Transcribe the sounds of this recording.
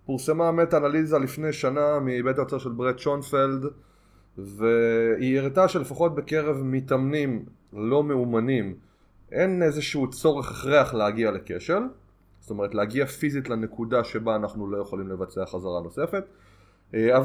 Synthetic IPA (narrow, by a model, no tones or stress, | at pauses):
puʁsemametanalizalifnejʃanamibetaot͡saʃe̞lbʁett͡ʃonfeld | veieʁitaʃe̞le̞faχo̞t̚beke̞ʁevmitamnim | lo̞me̞umanim | ʔe̞nezeʃuut͡so̞ʁeχeχʁeaχleaɡiale̞ke̞ʃe̞l | zo̥t̪o̞meʁ̞etleaɡiafizitlene̞kudaʃe̞baːnaχnulo̞je̞χolimle̞vat͡seaχazaʁano̞se̞fe̞t | av